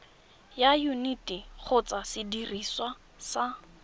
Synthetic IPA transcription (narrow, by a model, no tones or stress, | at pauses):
jajunitʼik͡xʰʊt͡sʼasɪdiriswa | sa